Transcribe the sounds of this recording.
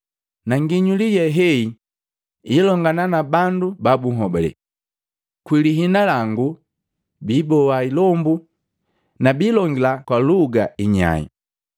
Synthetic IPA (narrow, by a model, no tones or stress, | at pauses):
naŋɡiɲulijɛɦɛi | ilɔŋɡananabandubabuŋɔbɛlɛ̰ | kwiliɦinalaŋɡu | biːbɔwailɔmbu | nabiːlɔŋɡilakwaluɡaiɲa̰ḭ